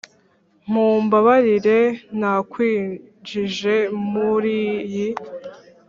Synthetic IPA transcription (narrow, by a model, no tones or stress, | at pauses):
m̥uːmbaβaɾiɾe̞nakwiː | d͡ʒiʒe̞muɾiji